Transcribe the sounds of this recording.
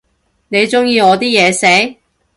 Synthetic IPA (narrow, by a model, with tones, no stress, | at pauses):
ne˨˧jt͡sʊ˥ŋjiː˨˧ŋɔː˨˧t̪iː˥jɛː˨˧se˨˥j